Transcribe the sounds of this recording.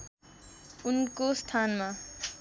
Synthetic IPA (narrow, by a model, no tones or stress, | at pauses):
unkost̪ʰanma